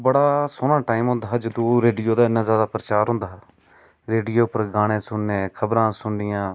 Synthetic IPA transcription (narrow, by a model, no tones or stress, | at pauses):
bəɽaːsoːnãːʈaːiːmɦʊ̃nd̪aːd͡ʒəd̪õɾeːɖijoːd̪aːɪnãːzjaːd̪aːpɾət͡ʃaːɾɦʊ̃nd̪aː | ɾeːɖijoːpəɾɡaːɽ̃ẽːsʊnːẽːkʰəbɾãːsʊɳɖɪjãː